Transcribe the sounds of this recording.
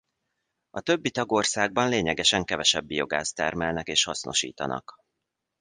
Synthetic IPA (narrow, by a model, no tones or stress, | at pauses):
ɒt̪ø̞bːit̪ɒɡo̞rsaːɡ̚bɒnleːɲɛɡɛʃɛŋkɛvɛʃɛbːijo̞ɡaːst̪ɛrmɛlnɛkeːʃhɒsno̞ʃḭːt̪ɒ̰nɒ̰k